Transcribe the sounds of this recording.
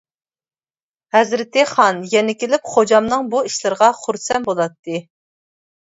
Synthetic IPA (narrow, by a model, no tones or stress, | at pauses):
hɛzɾɪt̪ɨχɑnjɛnɪkʲelɪp̚χod͡ʒɑmnɨŋbuiʃlˠɨɾʁɑχuɾsɛnbolˠɑt̪ːɨ